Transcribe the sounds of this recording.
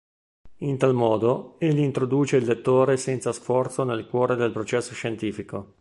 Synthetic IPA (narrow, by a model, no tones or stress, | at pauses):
int̪almɔːd̪oeʎːiint̪ɾod̪uːt͡ʃeilːet̪ːoːɾesɛnt̪sasfɔrt̪sonelkwɔːɾed̪elpɾot͡ʃɛsːoʃent̪iːfiko